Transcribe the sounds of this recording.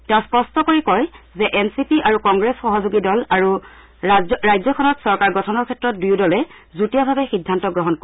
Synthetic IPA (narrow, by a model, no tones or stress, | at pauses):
tɛʊ̃spɔstɔkoɹikɔjzɛʔɛnsipiʔaɹukɔŋɡɹesxɔɦɔzuɡidɔlaɹu | ɹajzɔkʰɔnɔtsɔɹkaɹɡɔtʰɔnɔɹkʰɛtɹɔt̚dujdɔlɛ | zutijabʱabɛxidʱːantɔɡɹɔɦɔnko